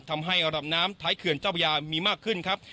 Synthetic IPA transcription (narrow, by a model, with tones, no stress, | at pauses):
t̪ʰa˧mɦa˥˩jɾa˧ɾa˨˩p̚naː˦˥mt̪ʰaː˦˥jkʰɯ˨˩ənt͡ɕaː˥˩pʰa˧jaː˧miː˧maː˥˩kʰːɯ˥˩nkʰɾa˦˥p̚